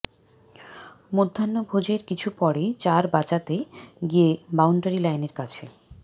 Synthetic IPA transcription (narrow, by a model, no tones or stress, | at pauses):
mod̪ʱːanːobʱod͡ʑeɾkit͡ɕʰupɔɽet͡ɕaɾbat͡ɕat̪eɡiebawɳɖaɾilajneɾkat͡ɕʰe